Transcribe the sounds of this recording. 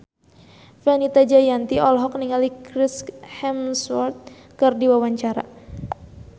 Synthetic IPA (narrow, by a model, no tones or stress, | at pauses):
fanit̪ad͡ʒajant̪iɔlɦɔk̚niŋalikɾɪshɛmswɔrt̪̚ | kɨrdiwawaɲt͡ʃaɾa̰